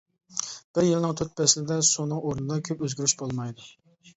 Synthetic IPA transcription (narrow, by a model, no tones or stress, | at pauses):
b̥ɪɾjɪlˠnɨŋt̪ʰøt̪̚pɛslɪd̪ɛsunɨŋʔoɾnɨd̪ɑkʲʰøpøzɡʲyɾyʃbolˠmɑjd̪u